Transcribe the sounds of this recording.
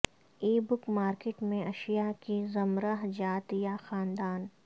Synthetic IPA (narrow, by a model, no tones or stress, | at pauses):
eːbʊkmaːɾkeːʈmẽɐʃijakizɐmɾaɦd͡ʒaːt̪jaxaːnd̪aːn